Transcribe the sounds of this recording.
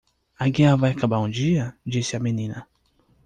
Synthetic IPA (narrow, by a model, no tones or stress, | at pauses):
aɡẽavajakabaũd͡ʒiɐd͡ʒisɪamenĩnɐ